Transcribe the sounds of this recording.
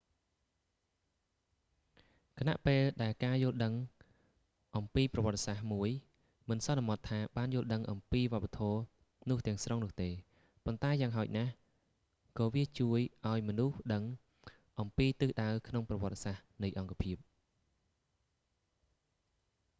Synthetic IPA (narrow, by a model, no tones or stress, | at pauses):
kʰana̰ʔpeːlɗaɛlkaːjʊəlɗəŋ | ʔɑmpiːprɑʋŏət̪ːesahmuəj | mɨnsɑnamɑt̪ʰːaːɓaːnjʊəlɗəŋʔɑmpiːʋŏəp̚ːat̪ʰɔː | nʊ̆əht̪ɛ̆əŋsrʔoŋnʊ̆əht̪eː | pont̪aɛjaːŋɦaəc̚nah | kɑːʋiət͡ɕuəjʔaɔjmɔnuhɗəŋ | ʔɑmpiːt̪ɨːhɗaəwkʰnoŋprɑʋɔ̆ət̪ːesahnɨjʔɑŋkapʰiəp̚